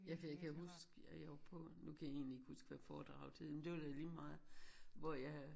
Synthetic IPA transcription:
jæfjɑɪkʰæɦusɡ̥æjɑʋɑpʰɔ̽nukʰæjɑe̝̰ːnlie̝ɡ̥husɡ̥ʋæfɒːd̥ʁɑ̈ʊ̰t͡sʰeð̰ˠmend̥e̝ʋɑd̥æliːmɑ̈ːð̩ˠʋɒjɑ

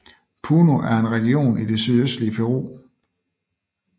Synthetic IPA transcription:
pʰuːnoʔæɐe̝nʁɛɡ̥io̝̰ːnid̥e̝syðˠøsd̥liəpʰeʁo̝̰ː

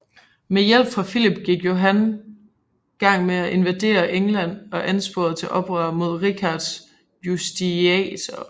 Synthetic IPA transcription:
mejel̰b̥fʁɑ̈filib̥ɡ̥iɡ̥jo̝ɦæn | ɡ̥ɑ̈ŋ̰meæʔe̝nʋæd̥e̝̰ːɐʔeŋlæn̰ɒ̽ʔænsb̥o̝ɐð̩ˠt͡sʰe̝ʔɒ̽b̥ʁɶɐmo̝ð̞̰ˠʁikʰɑd̥s | jusd̥iɛ̰t͡sʰɒ

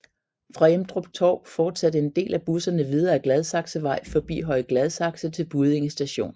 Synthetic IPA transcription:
fʁɑ̈jemd̥ʁɔb̥̚t͡sʰɒ̰ːfɒːd̥sæd̥əe̝nd̥e̝̰ːlʔæb̥usɐnəʋið̞ˠɐæɡ̥lɛðˠsɑ̈ɡ̥səʋɑ̈ɪ̰fɒ̽b̥ḭːɦɒ̽ɪɡ̥lɛð̞ˠsɑ̈ɡ̥sət͡sʰe̝lb̥uð̞̩ˠe̝ŋəsd̥æɕo̝̰ːn

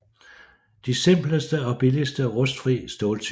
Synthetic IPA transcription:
d̥isem̰b̥ləsd̥əɒ̽b̥ilisd̥əɒʁɔ̽sd̥fʁḭːsd̥ɔːlt͡sʰ

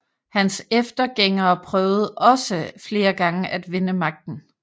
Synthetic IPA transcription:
hænsefd̥ɐɡ̥eŋ̰ɐːpʰʁœːʊð̞̩ˠʔɒ̽səfle̝ːɐɡ̥ɑ̈ŋəʔæd̥ʋe̝nəmɑ̈ɡ̥̚d̥n̩

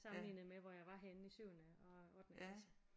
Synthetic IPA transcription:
sɑ̈mmliːnð̩ˠmeʋɒjɑ̈ɪʋɑ̈ɦen̩isyʊ̰nəɒ̽ɒ̰ːd̥n̩esə

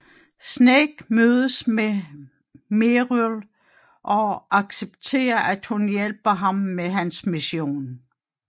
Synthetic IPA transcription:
sneɡ̥møːð̞ˠəsme | meʁul | ʔɒ̽ʔɑ̈ɡ̥seb̥̚t͡sʰe̝̰ːɐʔæd̥hunjelb̥ɐɦɑ̈mːeɦænsmiɕjo̝̰ːn

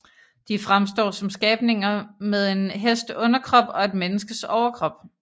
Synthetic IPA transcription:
d̥ifʁamsd̥ɒ̰ːsɒ̽msɡ̥ɛːb̥ne̝ŋɐmeðˠe̝nɦesd̥ɔ̽nɐkʰʁɒ̽b̥ɒ̽e̝d̥menəsɡ̥əsɒʊɐkʰʁɒ̽b̥

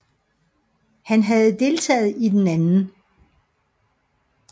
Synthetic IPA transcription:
hænɦæð̞̩ˠd̥e̝lt͡sʰɛ̰ːð̩ˠid̥enænn̩

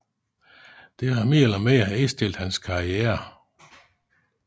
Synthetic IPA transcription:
d̥e̝ɦɑmeːɐlɐmeæhæisd̥e̝l̰d̥hænskʰɑ̈iɛːɐ

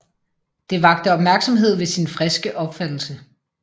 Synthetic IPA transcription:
d̥e̝ʋɑ̈ɡ̥̚d̥əɒb̥mæɐɡ̥sɒ̽mɦe̝ð̞̰ˠʋe̝sinfʁɛsɡ̥əʔɒ̽b̥fæd̥l̩sə

